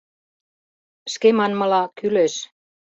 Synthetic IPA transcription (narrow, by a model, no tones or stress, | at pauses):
ʃkemɑnmɤ̆lɑkyleʃ